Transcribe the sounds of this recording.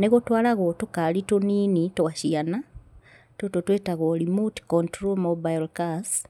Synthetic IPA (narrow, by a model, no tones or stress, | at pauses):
neɣotwaːlaɣotokalitoniːnitowaʃjana | tototwetaɣolimuti̥kontɾolmobajlkas